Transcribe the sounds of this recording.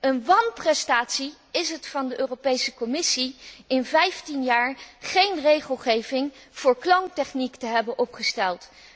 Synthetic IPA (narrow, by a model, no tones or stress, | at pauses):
ənʋɑnprɛstaːtsi | ɪsɦətfɑndəʔøːropejsəkɔmɪsiɪnvɛjftinjaːɹχejnrejχəlˠχejvɪŋv̥ʊːɹklɑŋtɛχniktəɦɛbənʔɔpχəstɛlˠt